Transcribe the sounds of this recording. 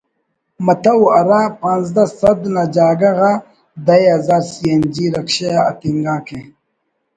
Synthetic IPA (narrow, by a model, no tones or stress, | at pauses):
mɐt̪ɐwɐɾapãnzd̪asɐd̪nad͡ʑaːɡɐɣa | d̪ɐjɐzaːɾsiɐnd͡ʑiɾɐkɕeɐt̪iŋɡaːkʰe